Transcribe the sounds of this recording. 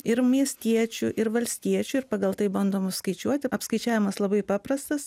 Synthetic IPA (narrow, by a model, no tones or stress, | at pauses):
ɪɾmʲiɛsʲt̪ʲiɛt͡ʃʲuʔɪɾʋɐlʲsʲt̪ʲiɛt͡ʃʲuɪɾpɑːɡɐlˠt̪ɐɪbɐnd̪oːmɐskɐɪt͡ʃʲuɔt̪ʲɪɐpskɐɪt͡ʃʲæːʋʲɪmɐslˠɐbɐɪpɑːpɾɐst̪ɐs